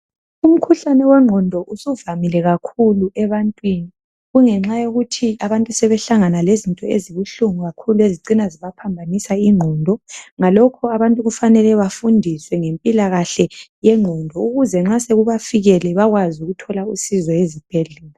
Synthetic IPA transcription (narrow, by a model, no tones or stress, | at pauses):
um̩kʰuɬanɛwɛŋ͡ǃʱɔndʱɔʔusuvamilɛɣakʰuluʔɛβantʼwiːni | ɣuŋɛŋ͡ǁajoɣutʰiaβantʼusɛβɛɬaŋanalezintʼɔḛziβuɬuŋuɣakʰulueziǀinaziβapʰambʱanisaiŋ͡ǃʱɔndʱɔŋalɔkʰɔaβantʼuɣufanɛlɛβafundʱiswɛŋempʼilaɣaɬɛjɛŋ͡ǃʱɔndʱɔuɣuzɛŋ͡ǁaseɣuβafiɣɛlɛβaɣwazuɣutʰɔlausizɔezib̥ʱɛɮɛːla